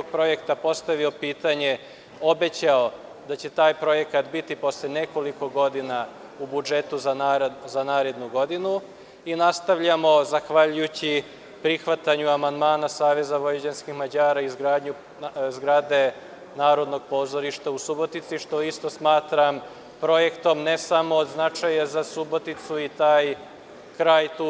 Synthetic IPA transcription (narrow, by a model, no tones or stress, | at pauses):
oɡ̚pɾo̞je̞kt̪apo̞st̪aʋio̞piːt̪aɲe̞ | o̞be̞t͡ɕao̞ | d̪at͡ɕe̞t̪aːjpɾo̞je̞kat̪bit̪ipo̞slene̞ko̞liko̞ɡo̞d̪ina | ubud͡ʒe̞t̪uzzanaːɾe̞d̪nuɡo̞d̪inu | inast̪aʋʎamo̞zaxʋaʎujut͡ɕi | pɾixʋat̪aɲuamand̪maːnasaːʋe̞zaʋo̞jed͡ʑanskixmad͡ʑaːɾaizɡɾaːd̪ɲu | zɡɾaːd̪e̞ | naːɾo̞d̪no̞ɡ̚po̞ːzo̞ɾiʃt̪ausubo̞t̪it̪siʃt̪o̞ist̪o̞smaːt̪ɾam | pɾo̞je̞kt̪o̞mne̞samoːd̪znat͡ʃajazasubot̪it̪suit̪aːj | kɾaːjt̪u